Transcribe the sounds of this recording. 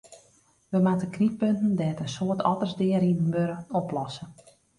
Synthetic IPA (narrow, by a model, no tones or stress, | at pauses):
ʋəmatəknit̚pøntən̩dɛːtənsoːtʰɔtərzdɪəɾidənbøɾəɔplɔsə